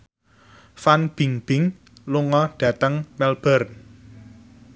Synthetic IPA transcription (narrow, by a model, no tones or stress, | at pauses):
fanb̥i̤ŋb̥ɪŋ | luŋɔɖ̥ä̤t̪əŋmɛlb̥ərn